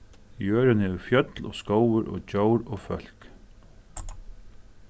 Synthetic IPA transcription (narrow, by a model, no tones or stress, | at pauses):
jøːɾɪnhɛːʋɪfjœt̪lɔ̰ːskowəɾʔɔ̰t͡ɕowɾɔːfœl̥k